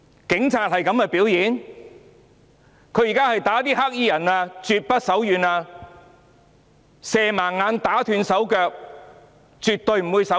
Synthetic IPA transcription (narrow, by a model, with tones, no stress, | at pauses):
kɪ˨˥ŋt͡sʰaː˧t̚hɐ˨jkɐ˨˥mkɛ˧piː˨˥wjiː˨˥n | kʰɵ˨˧ɥjiː˨˩kaː˥hɐ˨jt̪aː˨˥t̪iː˥haː˥k̚jiː˥jɐ˨˩naː˧t͡syː˨˧t̚pɐ˥t̚sɐ˨˥wjyː˨˧naː˧ | sɛː˨˧maː˨˩nːaː˨˧nt̪aː˨˥t̪ʰyː˧nsɐ˨˥wkœː˧k̚ | t͡syː˨t̪̚ɵ˧ɥm̩˨˩wu˨˧jsɐ˨˥